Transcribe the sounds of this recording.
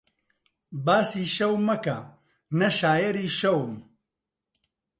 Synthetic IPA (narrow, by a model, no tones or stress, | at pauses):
baːsiːʃɐwmɐkɐ | nɐʃaːjɐɾiːʃɐwm